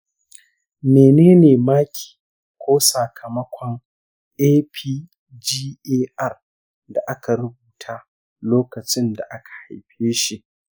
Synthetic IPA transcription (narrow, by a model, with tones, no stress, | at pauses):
meː˨neː˦neː˨maː˦kʲʰi̥ː˨ | kʷoː˦saː˨kʰɐ˨mɐ˦kʷʰɔ˦ŋ | eː˦pʰiː˦ | d͡ʒiː˦ʔeː˦ʔɐ˦r | da˨ʔa˦ka˨ɾʊ˦buː˨tʰaː˦ | loː˦kɐ˨t͡ʃɪ˦nda̰˨ʔa˦kʰḁ˨ha̰˨jɸeː˦ʃi˦ʔ